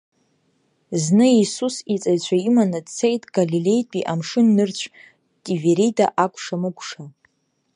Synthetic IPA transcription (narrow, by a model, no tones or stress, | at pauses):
znɨisusit͡sʼajt͡ɕʷʰaimanadt͡sʰejtʼɡ̥alile̞jtʼiʔamʂɨnːɨrt͡ɕʷʰ | tʼiveɾida̰ʔakʷʰʼʂamɨkʷʼʂa